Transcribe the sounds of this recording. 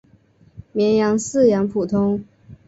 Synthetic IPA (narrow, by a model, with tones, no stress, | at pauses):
mjɛ˧˥njɑ˧˥ŋsɹ̩˥˩jɑ˧˥ŋpʰu˨˩t̪ʰʊ˥ŋ